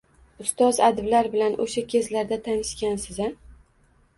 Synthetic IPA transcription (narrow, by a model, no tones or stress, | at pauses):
ʊst̪ɒzad̪ɪblaɾbɪlanʔoʃakʲʰe̞zlaɾd̪at̪ʰanɪʃkʲansɪza